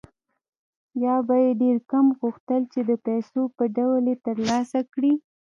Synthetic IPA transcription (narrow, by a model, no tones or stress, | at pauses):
jɑbajeɖeɾkamɣuxt̪əlt͡ʃed̪əpajsopəɖawlet̪əɾlɑsakɽi